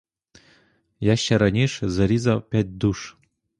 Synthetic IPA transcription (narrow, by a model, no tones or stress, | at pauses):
jaɕːaɾanʲeʂzɐɾʲizapʲæt̚ʲd̪uʂ